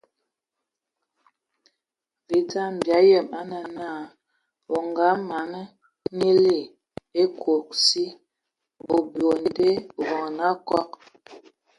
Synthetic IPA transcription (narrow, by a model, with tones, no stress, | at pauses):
vi˨ta˦m̩˨bja˨˦jɛ˦˨ma˦nə˨na˦˨ | o˨ŋɡa˨˦ma˨nə˦ | ni˦le˦˨ | e˦kʰo˨k̚si˦ | o˨bjo˨n˨de˦˨ɣɔ˨ŋ˨na˦kɔ˦k̚